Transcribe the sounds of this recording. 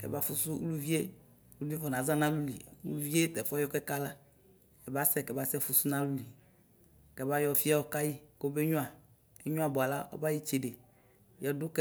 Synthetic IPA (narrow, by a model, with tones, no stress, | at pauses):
kɛ̰˨ba˦fu˨su˦u˦lu˦vi˦e˦ | lu˦vi˦vɔ˨nã˨˦za˦nã˦lu˦lḭ˨u˦lṵ˦vi˦e˦t̪ɛ˨fɔ˦jɔ˦kɛ˦ka˦la˦ | ɛ˨ba˦sɛ˦˨kɛ˨ba˦sɛ˦fu˨su˦nã˦lu˦li˨ | kɛ˦ba˦jɔ˦fi˦a˦wɔ˦ka˦ji˦ko˦be˦ɲũ˦a˨ | e˦ɲũ˦a˨bɔ˨a˨la˦ɔ̰˦ba˦ji˦t͡ʃe˨ɖe˨ | jɔ˦du˦kɛ˦